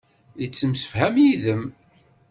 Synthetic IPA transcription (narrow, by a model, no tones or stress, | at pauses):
t͡sːəmsə̥fhæmjiðəm